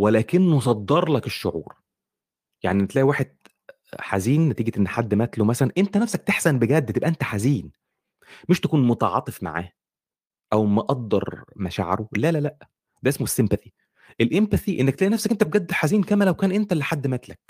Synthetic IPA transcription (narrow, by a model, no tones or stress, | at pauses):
welæːkenːosˤɑd̪ːɑɾˤlɑkeʃːo̰ʕṵːɾ | ja̰ʕniʔenːt̪læʔwaːħed̪̥̚ | ħaziːnːæt̪iːɡet̪ʔenːħad̪ːmæt̪lomæsælænʔent̪ænæfsæk̚t̪eħsænbeɡæd̪ːt̪ebʔæʔent̪æħaziːn | meʃt̪ækuːnmot̪ɑʕɑ̰ːt̪ˤefma̰ʕa̰ːh | ʔæwmæʔɑɡ̚d̪ɑ̰ɾˤmæʃa̰ʕɑ̰ɾolælælæʔ | d̪æʔesmoesːempæθi | ʔelʔempæθiʔenːæk̚t̪læːʔinæfsækʔent̪æb̚ɡæd̪ːħaziːnkæmælæwkæːnʔent̪ælːiħad̪ːmæːt̪læk̚